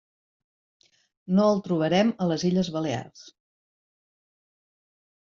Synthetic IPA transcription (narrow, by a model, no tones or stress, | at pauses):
noəlˠt̪ɾuβ̞əɾɛmələziʎəzβəlea̰rs